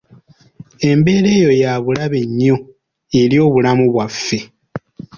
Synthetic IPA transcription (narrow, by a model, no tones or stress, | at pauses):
e̞mbe̞ːɾe̞ːjo̞jaβulaβe̞ɲːo | eljo̞ːβulamuβwafːe̞